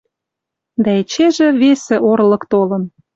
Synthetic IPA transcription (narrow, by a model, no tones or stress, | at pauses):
d̪æet͡ɕeʒĕβesĕʔoɾlɤ̆kt̪olɤ̆n